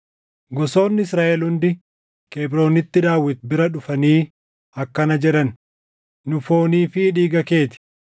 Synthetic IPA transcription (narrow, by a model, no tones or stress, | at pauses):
ɡɔso̞ːnːɪsɾaːʔɛlhʊnd̪ɪ | keːbɾo̞ːnɪt̪ːɪd̪aːwːɪt̪̚bɪɾɐᶑʊfɐniː | ɐkːɐnɐd͡ʒɛᶑɐn | nʊfo̞ːniːfɪᶑiːɡɐke̞ːt̪ɪ̥